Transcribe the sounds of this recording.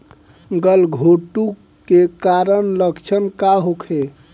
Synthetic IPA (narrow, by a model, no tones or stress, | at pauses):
ɡəlɡʱoʈu | kekaɾənləkt͡ʃʰənkaɦokʰe